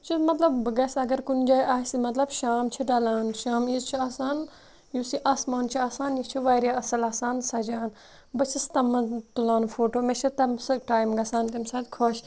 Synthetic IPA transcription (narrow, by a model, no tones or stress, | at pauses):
t͡ʃʰimɐt̪lɐbːɨɡɐsɐɡɐɾkund͡ʒaːjʔaːsmɐt̪lɐbʃaːmt͡ʃʰiɖaːlaːnʃaːmit͡ʃʰiaːsaːn | jusiʔaːsmaːnt͡ʃʰiaːsaːnjit͡ʃʰiʋaːɾjaɐsɐlaːsaːnsɐd͡ʒaːn | bɐt͡ʃʰist̪ɐmɐt̪ulaːnfoːʈoːmet͡ʃʰɐt̪ɐmsɐʈaːjmɡɐsaːnk̪ɐmsad̪ʲkʰoʃ